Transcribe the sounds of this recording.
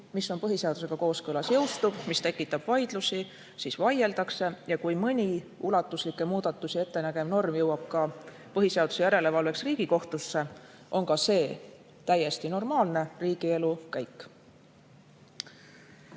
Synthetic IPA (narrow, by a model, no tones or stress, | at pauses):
misːo̞npɤɦise̞ɑd̪̥use̞ɡ̥ɑko̞ːskɤlɑsjɤ̞wst̪ub̥mist̪e̞kːˑit̪ːˑɑb̥vɑjd̪̥lusi | sisvɑje̞ld̪̥ɑkse̞jɑkujmɤnʲiulɑt̪ːˑuslikːˑe̞muːd̪̥ɑt̪ːˑusie̞t̪ːe̞næɡ̥e̞mno̞rmjɤwɑb̥kɑ | pɤɦise̞ɑd̪̥use̞jæɾe̞le̞vɑlve̞ksriːɡ̥iko̞ht̪use̞ | ʔo̞nkɑse̞ː | t̪æje̞st̪ino̞rmɑːlne̞riːɡ̥ie̞lukæjkːˑ